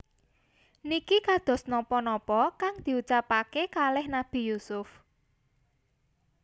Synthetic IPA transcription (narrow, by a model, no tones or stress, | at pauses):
nikikad̪̥ɔ̤snɔpɔnɔpɔkaŋd̪̥i̤ut͡ʃapakekalɪhnab̥i̤jusʊf